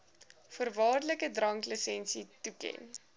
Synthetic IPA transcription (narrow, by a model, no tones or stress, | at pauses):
fərvɑːrdləkədrɐŋkləsɛnsitukɛ̰n